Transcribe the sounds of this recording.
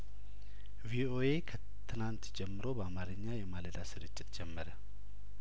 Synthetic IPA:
vio̞e̞kʰə | t̪ʰɨnant̪d͡ʒɛmːɨɾo̞bəamaɾɨɲːajɛmaləd̪asɨɾɨt͡ʃʼːɪt̪d͡ʒɛmːəɾə

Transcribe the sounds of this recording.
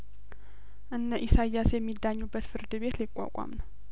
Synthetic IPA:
ʔɨnːəʔisajːasjɛmːid̪ːaɲːubːət̪fɨɾd̪ɨβe̞t̪lɪkʷʼːa̰kʷʼa̰mn

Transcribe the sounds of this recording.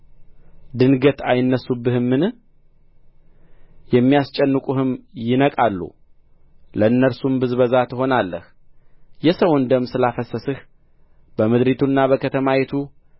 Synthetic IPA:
d̪ɨnɡət̪ʰajɪnːəsːubːɨhɨmːɨnɨ | jɛmːijast͡ʃʼɛnːɨkʼuhɨmjɪnəkʼalːṵ | ləɨnːəɾsumbɨzbəzat̪ʰɨho̞nalːəh | jɛsəwnd̪əmːsɨlafəsəsɨh | b̥əmɨd̪ɾit̪ʰunːabəkʰət̪ʰəmawet̪ʰu

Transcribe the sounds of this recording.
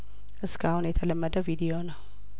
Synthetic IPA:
ʔɨskʰahunjɛt̪ʰələmːəd̪əvid̪ijonəw

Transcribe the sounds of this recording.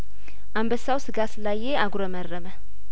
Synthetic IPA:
ʔambəsːawsɨɡaslajːeaɡuɾəmərːəmə

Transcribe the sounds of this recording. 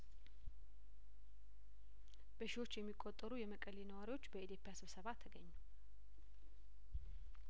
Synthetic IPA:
b̥əʃiwo̞t͡ʃːjɛmːikʼːot̪ʼːəɾujɛməkʼəlinəwaɾiwo̞t͡ʃːbəit̪jo̞pʼjasɨβsəβat̪ʰːəɡəɲːu

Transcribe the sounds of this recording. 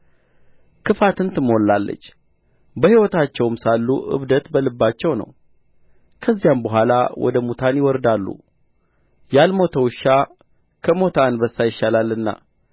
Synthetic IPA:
kʰɨfat̪ɨnt̪ɨmolːalːə̰t͡ʃː | bəhiwɔt̪ʰat͡ʃːɛwmsalːuʔɨ̰βd̪ət̪bəlɨbːat͡ʃːɛwnə̰w | kʰəzːijambəɦʷala̰wɔ̰d̪əmut̪ʰanjɪwɔɾd̪alːṵ | jalmo̞t̪ʰəwʃːa | kʰəmo̞t̪ʰanbəsːajɪʃːalalːɨnːa̰

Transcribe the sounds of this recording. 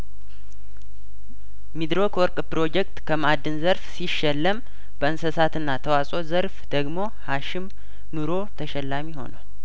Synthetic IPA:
mid̪ɾo̞kwɔɾkʼpɾo̞d͡ʒɛk̚t̪kʰəmad̪ːɨnzəɾfsiʃːɛlːəm | b̥əɨnsəsat̪ɨnːat̪ʰəwasʼo̞zəɾfd̪̥əɡmo̞ | haʃɪm | nuɾo̞t̪ʰəʃɛlːamiho̞̰na̰w

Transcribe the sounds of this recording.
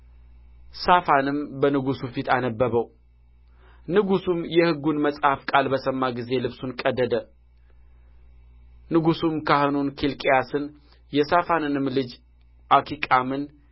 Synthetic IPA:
safanɨmbənɨɡusufit̪anəbːəβəw | nɨɡusumjɛhɨɡːunməsʼhafkʼalbəsəmːaɡize̞lɨβsunkʼəd̪ːəd̪ə | nɨɡusumkahɨnunkʰilkʼejasɨn | jɛsafanɨnɨmlɨd͡ʒ | ʔakʰikʼamɨn

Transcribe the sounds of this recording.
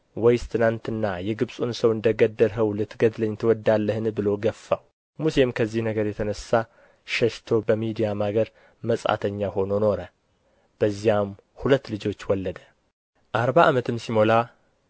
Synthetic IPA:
wɔjst̪ʰɨnant̪ɨnːajɛɡɨβsʼunsəwɨnd̪əɡəd̪ːəlɦəwlɨt̪ʰːɡəd̪ləɲːt̪ʰɨwɔd̪alːəhɨnbɨlo̞ɡəfːaw | muse̞mkʰəzːihnəɡəɾjɛt̪ʰənəsːa | ʃɛʃt̪ʰo̞bəmid̪ijamaɡəɾ | məsʼa̰t̪ʰəɲːaho̞no̞no̞ɾə | b̥əzːijam | hulət̪ːlɨd͡ʒo̞t͡ʃːwɔlːəd̪ə̥ | ʔaɾβaʔamət̪ʰɨmsimola

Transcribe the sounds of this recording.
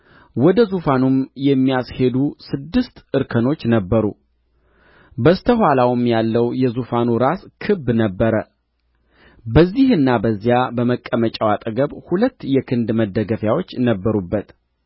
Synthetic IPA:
wɔd̪əzufanumjɛmːijashe̞d̪usɨd̪ːɨst̪ʔɨɾkʰəno̞t͡ʃːnəbːəɾṵ | bəst̪ʰəɦʷalawmjalːəwjɛzufanuɾaskʰɨbːnəbːəɾə | bəzːihɨnːabəzːijabəməkʼːəmət͡ʃʼawat̪ʼəɡəβhulət̪ːjɛkʰɨnd̪məd̪ːəɡəfjawo̞t͡ʃːnəbːəɾubːət̪

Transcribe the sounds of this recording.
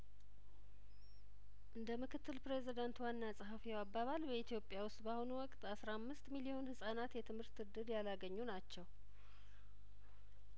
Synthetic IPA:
ʔɨnd̪əmɨkʰɨt̪ːɨlpɾezid̪ant̪wanːasʼəɦafiwabːaβalbəit̪ʰijo̞pʼːjawʊst̪ʼbahunuwɔkʼt̪ʼasɾamːɨst̪milijo̞nhɨsʼanat̪jɛt̪ʰɨmhɨɾt̪ɨd̪ɨɾjalaɡəɲːunat͡ʃːɛw

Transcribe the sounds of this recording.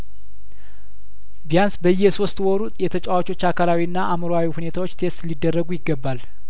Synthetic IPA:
bijansbəjːɛso̞st̪ʼwɔɾut̪ʼjɛt̪ʰət͡ʃʼawat͡ʃʼo̞t͡ʃːakʰalawiɨnːaʔamɾoawihune̞t̪ʰawot͡ʃːt̪ʰe̞st̪lid̪ːərːəɡujɪɡːəbːal

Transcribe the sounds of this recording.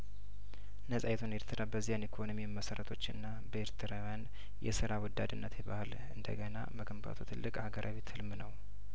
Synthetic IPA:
nəsʼajɛt̪ʰune̞ɾt̪ʰɨɾʔabəzːijanekʰonomiwməsəɾət̪ʰo̞t͡ʃːɨnːa | bəeɾt̪ʰɨɾawjan | jɛ̰sɨɾawɔd̪ːad̪ɨnːət̪ʰjɛbahɨl | ɨnd̪ə̰ɡəna̰məɡəmba̰t̪ʰut̪ʰɨlːɨkʼhaɡəɾʔaβet̪hɨlmnəw

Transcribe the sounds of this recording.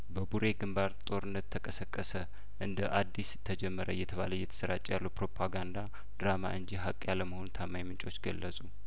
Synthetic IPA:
bəbuɾe̞ɡɨmbaɾt̪ʼo̞ɾɨnːət̪ːʰəkʼəsəkʼːəsə | ʔɨnd̪əʔad̪ːist̪ʰːəd͡ʒɛmːəɾəjɛt̪ʰəβa̰ləjːɛt̪ʰə̥səɾat͡ʃʼːijalːupɾo̞pʰaɡand̪a | d̪ɾama̰ʔɨnd͡ʒiɦakʼːjaləməho̞nut̪ʰamːajmɨnt͡ʃʼo̞t͡ʃːɡəlːəsʼu

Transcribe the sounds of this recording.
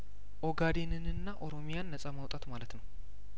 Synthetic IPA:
ʔoɡad̪enɨnɨnːaʔo̞ɾo̞mijanːəsʼamawt̪ʼat̪malət̪nəw

